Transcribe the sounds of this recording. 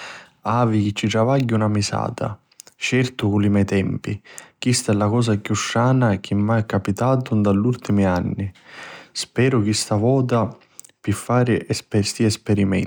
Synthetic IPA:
aːvik̟ɪt͡ʃːit̪ɾavaɟːunamisa̰ːt̪ʰa̰ | t͡ʃɛrt̪ʊkulimɛjt̪ɛmpikist̪aɛlːakɔːs̬akjuʃːaːnak̟ʰimːaɛkːapit̪aːt̪ʊnd̪aʎːult̪imianːispɛːɾʊk̟ist̪avɔːt̪a | pifːaːɾɪʔɛspɛst̪iɛspɛɾimɛ̰n

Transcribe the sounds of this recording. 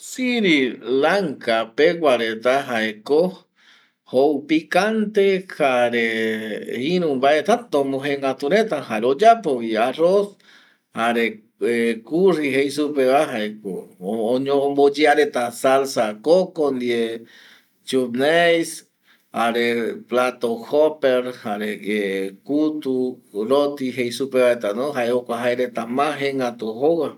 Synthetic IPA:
siɾilaŋkapeɡʷaɾet̪aɦaeko | houpikant̪ehaɾe | iɾũmbaet̪at̪omũɦeŋɡat̪uɾet̪ahaɾeod͡ʒapoβiaros | haɾe | ekuriɦejsupeβaɦaekoːɲõmbod͡ʒeaɾet̪asalsakokond̪ie | t͡ʃubnejs | haɾeplat̪ohopeɾhaɾeekut̪uɾot̪iɦejsupeβaet̪anõɦaeokʷaɦaeɾet̪amãɦeŋɡat̪uɦowa

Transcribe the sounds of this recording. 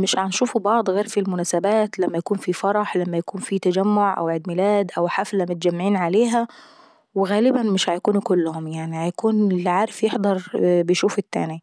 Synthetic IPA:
mɪʃʕanʃuːfubɑʕd̪ˤɣeːɾfilmʊnæːsabæːt̪læmːæjakuːnfifɑɾˤɑħlæmːæjakuːnfit̪æd͡ʒæmːoʕʔæ̰wʕɪd̪mɪlæːd̪ʔæwħaflæmʊt̪̚ad͡ʒæmːaʕiːnʕaleːɦæ | wɣæːlɪbænmɪʃhajakuːnukʊlːʊhʊmjaʕnihajakuːnlʕaːɾɪfjeħd̪ˤɑɾˤbɪjʃuːfʊt̪ːæ̰ːni

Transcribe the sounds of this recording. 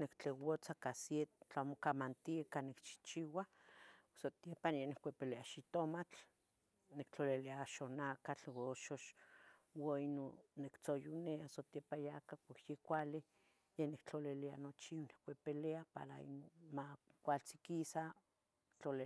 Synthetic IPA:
nekt͡ɬewot͡sakasjet̪t͡ɬamokamant̪iakanikt͡ʃi̥t͡ʃiwa | sot̪epanjenekʷepeleaʃit̪omat͡ɬ | nekt͡ɬoliliaʃonakat͡ɬwoʃoʃ | wainonekt͡sojuneasot̪jepajakakʷakjekʷali | jenikt͡ɬolelia̰not͡ʃionekʷepeleapa̰ɾa̰ḭnomakʷalt͡sikisa | kt͡ɬole

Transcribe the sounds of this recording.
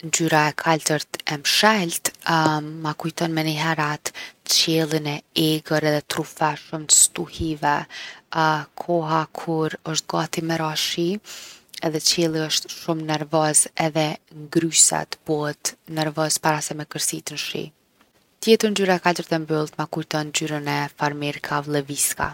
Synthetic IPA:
nd͡ʒyɾaɛkʰald̪əɾt̪ɛmʃɛlt̪ | makujt̪ɔnmɛniɦɛɾat̪t͡ɕɛlˠinɛɛɡəɾɛðɛt̪ɾufaʃumt̪ə̥st̪uhivɛ | kʰɔɦakʰuɾəʃt̪̚ɡat̪imɛɾaʃi | ɛðɛt͡ɕɛlˠiəʃt̪ʃumnɛɾvɔzɛðɛŋɡɾysa̰t̪b̥ɔət̪nɛɾvɔzpaɾasɛmɛkəɾsit̪ənʃḭ | t̪jɛt̪əɾnd͡ʒyɾakad̪əɾt̪ɛmbylˠt̪makujt̪ɔnd͡ʑyɾənɛfaɾmɛɾkʰavlˠɛviska̰

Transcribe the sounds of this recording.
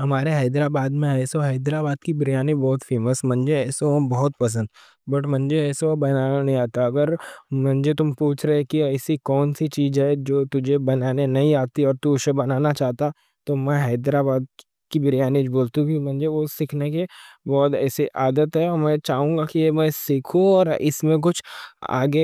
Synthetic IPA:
ɦɐmaːɾeɦɐɪd̪ɾaːbaːd̪mẽɦɛːsoɦɐːd̪ɾaːbaːd̪kibɾɪjaːnibɔːt̪feːməsmɐ̃nd͡ʒeɛːsobɔɦʊt̪̚pɐs̬ə̃nd̪ | bɐʈmɐ̃nd͡ʒeɛːsobɐnaanɐɦĩaːt̪aɐɡəɾmɐ̃nd͡ʒet̪ʊmpuːt͡ʃʰɾəɦekiɛːsikɔːnsit͡ʃiːzɦɛd͡ʒoːt̪ʊd͡ʒʱebɐnaːnenɐɦĩaːt̪iɔːɾt̪uʃebɐnaːnat͡ʃaːɦt̪a | t̪omɛ̃ɦɛːd̪ɾabaːd̪ | kibɪɾɪjaːnid͡ʒboːlt̪ũkimɐ̃nd͡ʒeʋosɪkʰnekebɔːt̪ɛ̰ːsiʔaːd̪ət̪ɦɛɔːɾmɛ̃t͡ʃaːɦũːɡakijemɛ̃sɪkʰũɔːɾɪsmẽk̬ʊt͡ʃʰa̰ːɡe

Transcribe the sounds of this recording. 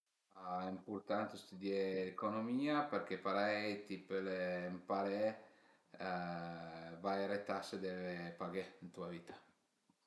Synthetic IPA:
ɛimpurt̪ant̪est̪ud̪jeːkonomiːaperk̟epaɾɛjt̪ipelempaɾe | vajɾet̪ased̪ɛvepaɡeint̪uaviːt̪ḁ

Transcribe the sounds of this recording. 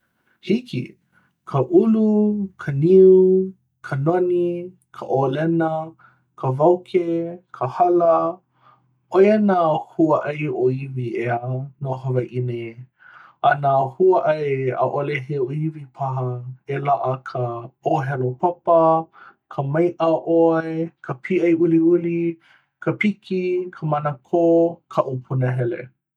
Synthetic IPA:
hikḭ | kʰəʔulukʰəniu | kʰənoni | kʰəʔolɛnə | kʰəvawkʰekʰəhɐlə | ojənahuəʔajoivieənoɦəvaʔine | ɐnahuəʔaea̰ʔoleɦeoivipʰɐɦɐelaʔəkʰəoɦɛlopʰɐpɐkʰəmɐjʔəʔoekʰəpʰiʔɐjuliuli | kʰəpikikʰəmɐnəkʰokʰaʔupʰunəɦɛlḛ

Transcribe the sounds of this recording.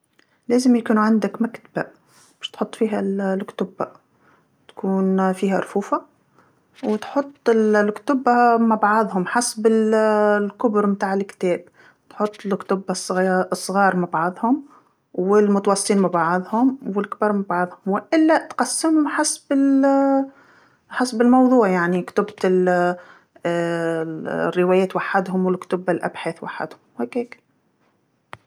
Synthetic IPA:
leːzɪmjkuːnuʕand̪ɪkmakt̪aba̰ | bɛːʃt̪ħot̪ˤːfiːɦællkt̪ʊba̰ | t̪kuːnfiːhæɾˤfuːfa | wɪt̪ħot̪ˤːɪllkt̪ʊbːamabʕɑðˤhʊmħasbɪllkʊbɾmt̪aːʕɪlkt̪ɛːb | t̪ħot̪ˤːɪlkt̪ʊbːasˤsˤːɣɑːɾˤmabʕɑðˤhʊm | wɪlmʊt̪ɑwɑsˤt̪iːnmabʕɪðˤhʊmwɪlkbɑɾˤmabʕɑðˤhʊmwɪʔɪlːat̪qɑsːɪmʊmħasbɪl | ħasbɪlmɑwðˤuːʕjaʕnikt̪ʊbt̪ɪl | rːɪwæːjeːt̪waħːad̪hʊmwɪlkt̪ʊbalʔa̰bħeːθwa̰ħːa̰d̪hʊmheːkeːk

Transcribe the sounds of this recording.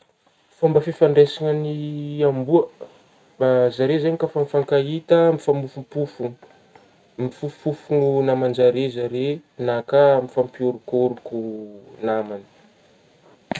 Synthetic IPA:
fambəfifaɳɖ͡ʐesiŋəniambuə | bazaɾezeɲikafamfaŋkait̪əmifamufumpufun | mifufufununamand͡ʒaɾezaɾenakamifampioɾukoɾukunamanə̥

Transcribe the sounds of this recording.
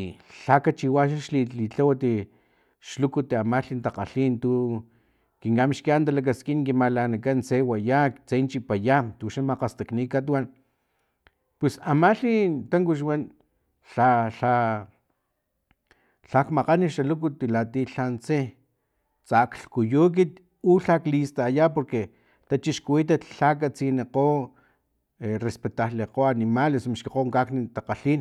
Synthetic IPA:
ɬakat͡ʃiwaʃaʃliit͡ɬawat̪i | ʃlukut̪iamaɬint̪aqa̰ɬint̪u | kiŋkamiʃkiant̪̬alak̬askinkimalanakant͡sewajakt͡sent͡ʃipajat̪uʃamaqast̪aknikat̪̬wan | pwesamaɬint̪aŋkuʃ̬wan | ɬaɬa | ɬakmaqaniʃalukut̪ilat̪iɬant͡se | t͡sakɬkujuk̬it̪ | uɬaklist̪ajapoɾke | t̪at͡ʃiʃkuwit̪̬at̪ɬak̬at͡sineqo | erespet̪ahleqoanimalesmaʃkiqoŋkaknit̪aqaɬin

